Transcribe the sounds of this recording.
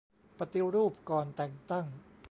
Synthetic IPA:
pa˧t̪i˧ɾuː˥˩p̚kɔː˨˩nt̪ɛ˨˩ŋt̪a˥˩ŋ

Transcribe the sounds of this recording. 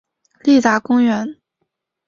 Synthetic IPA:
li˥˩t͡sa˧˥kʊ˥ŋɥɛ˧˥n

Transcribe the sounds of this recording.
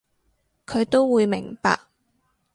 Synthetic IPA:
kʰɵ˨˧ɥt̪o˥wwuː˨˧jmɪ˨˩ŋpa̰ː˧k̚

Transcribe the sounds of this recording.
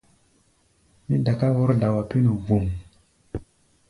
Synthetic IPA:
mi˦da˨ka˦wo˦ɾda˨wa˨pi˦nu˨vu˨m

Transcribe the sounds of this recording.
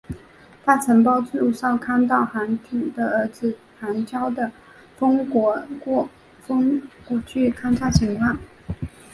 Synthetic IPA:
t̪ʰa˥t͡sʰə˧˥ŋp̬ɑ˥ʊt͡su˥˩˧ʂɑ˥˩ʊkʰa˥nt̪ɑ˥˩ʊxa˧˥nt̪ʰi˨˩d̪ə˧ə˧˥t͡sɹ̩˥˧ | a˧˥nt͡ɕjɑ˥ʊd̪ə˨ | fə˥ŋkɔ˧˥k | fŋkwɔ˧˥˩t͡ɕʰy˥˩kʰa˥nʈ͡ʂʰa˥˩ɕʰi˧˥ŋkwa˥˩n

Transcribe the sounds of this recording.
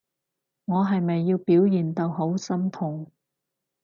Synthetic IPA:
ŋɔː˨˧ɦɐ˨jmɐ˨jːiː˧wpiː˨˥wjiː˨nt̪ɐ˨wɦo˨˥wsɐ˥mt̪ʰʊ˨˩ŋ

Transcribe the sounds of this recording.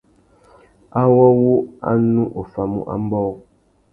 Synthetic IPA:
a˦wɔ˦wu˦a̰˦nu˦ʔo˨fa˨mṵ˦ʔa̰˦m̩˦bɔ˦w

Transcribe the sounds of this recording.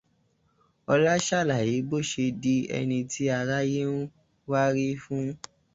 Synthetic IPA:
ɔ˧la˦ʃa˦˨la˨ji˨˦bo˦˨ʃe˧di˧ɛ̰˧nĩ˧tʰi˦a˧ɾa˦je˦nu˦ | wa˦ɾi˦fũ˦

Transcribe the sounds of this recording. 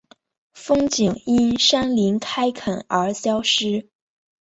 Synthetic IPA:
fɤ˥ŋt͡ɕi˨˩ŋi˥nʂa˥nli˧˥nkʰa˥ɪkʰə˨˩nə˞˧˥ɕjɑ˥ʊʂɻ̩˥

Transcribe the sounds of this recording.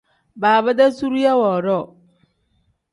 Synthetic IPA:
baː˨ba˦da˦su˦ɾu˦jɛ˦wɔ˨ɾɔ˦˨

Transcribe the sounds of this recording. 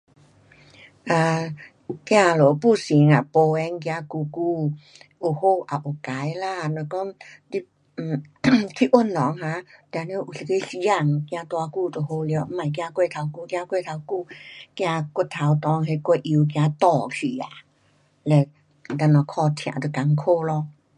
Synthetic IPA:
ʔa˧˩ | kj̃ã˧lo˨˦pu˥˧˨si˨˦ŋa˨po˧ɛ˧ŋkj̃ã˧ku˧ku˧ | ʔu˨˩ho˧˨ʔa˨ʔo˨˩ka˨˦jla˧˨no˧˨kɔ˦˥ŋt̪i˧˥˨ | k̪ʰi˧˨ʔo˧˩˨nːɔ˨˦ŋhã˧˦t̪ːne˧˦ʔu˨si˧ke˧˦si˧ja˧˨ŋkj̃ã˧t̪wa˧ku˧˨t̪o˨˩ho˧˨lje˧˦m̩˦ma˨˩jk̬jã˧kwe˧˨t̪ʰa˧wku˧˨kjã˧kwe˧˨t̪ʰa˧wku˧˨kj̃ã˧ku˧˦t̪ʰa˨˧˦wt̪ɔ˧˦ŋɦe˧kʷe˧˨ʔi˧k̬j̃ã˧t̪ɔ˧˨kʰi˨a̰˨ | lɛ˧˩˨ | t̪a˧nɔ˧˩kʰɔ˧t̪ʰj̃ã̰˨t̪o˧˨ka˧ŋkʰo˧lɔ˧˨

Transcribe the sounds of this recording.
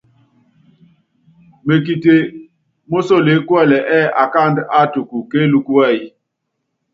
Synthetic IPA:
me˨ki˨te˨ | mo˦so˦˨le˨˦kwɛ˦˨lɛ˨ʔɛ˦ʔa˨ka˦˨nda˦˨tu˨ku˨ke˦lu˨ku˦wɛ˦˨i˦

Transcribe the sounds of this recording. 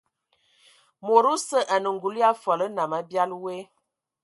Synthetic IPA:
mo˨ɾu˦sə˦ʔa˨nə˨ŋ˨ɡu˨li˦a˦fɔ˨lə˦na˨ma˨bja˦lwe˦

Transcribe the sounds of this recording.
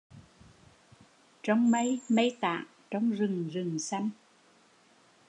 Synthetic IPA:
t͡ɕɔ˧wŋ͡mmə˧jmə˧jt̪a̰ː˧˨ŋ | t͡ɕɔ˧wŋ͡mzɨ˨˩ŋzɨ˨˩ŋsa˧jŋ

